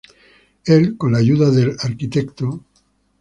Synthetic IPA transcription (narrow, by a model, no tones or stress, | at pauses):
elkonlaʝuðaðelaɾkit̪ekt̪o